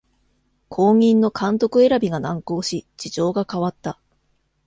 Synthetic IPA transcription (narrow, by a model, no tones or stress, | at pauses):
kʰo̞ːŋʲĩnːo̞kʰãnt̪o̞kɯ̟e̞ɾabʲiɡanãŋko̞ːɕid͡ʑiʑo̞ːɡakaβat̪ːa